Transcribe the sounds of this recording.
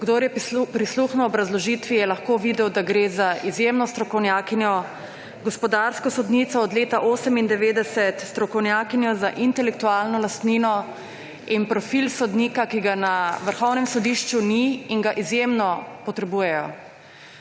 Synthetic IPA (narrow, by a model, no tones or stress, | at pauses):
ɡd̪oɾjɛpɾisluxnɔwɔbɾazlɔʒit̪ʋijɛlaxkoʋid̪ɛwd̪aɡɾeːzaʔizjemnɔst̪ɾɔkɔwnjaːkinjɔ | ɡɔspɔd̪aɾskɔsɔd̪nit̪sɔːd̪leːt̪aʔoːsɛmind̪ɛʋeːd̪ɛsɛt̪st̪ɾɔkɔwnjaːkinjɔzaʔint̪ɛlɛk̚t̪ualnɔlast̪ninɔ | inpɾɔfilsɔd̪niːkakiɡanaʋəɾxɔwnɛmsɔd̪iʃt͡ʃuniːŋɡaʔizjemnɔpɔt̪ɾɛbuːjɛjɔ